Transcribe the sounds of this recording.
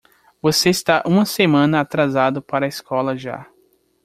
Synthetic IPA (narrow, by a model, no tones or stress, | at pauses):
voseist̪aʔũmɐsemɐ̃nɐat̪ɾazad̪ʊpaɾɐiskʰɔlɐʒa̰